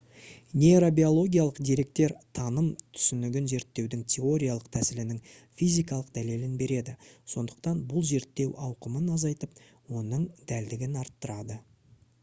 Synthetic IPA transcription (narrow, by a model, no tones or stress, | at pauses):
nʲeɾobio̞lˠo̞ɡʲijalˠəqd̪eɾe̞k̚t̪e̞ɾt̪ʰɑnəmt̪ʰʏ̥sʏnɪɡʲɪnze̞ɾt̪ːe̞wd̪ɪŋt̪ʲʰe̞o̞ɾʲijalˠəq̚t̪ʰæsɪlɪnɪŋ | fijzijkɑlˠəqd̪æle̞lɪnbe̞ɾe̞d̪ɪso̞nd̪əq̚t̪ɑnbʊlˠze̞ɾt̪ːe̞wʔɑwqəmənɑzɑjt̪əp | wo̞nəɴd̪æld̪ɪɡʲɪnɑɾt̪ːəɾɑd̪ə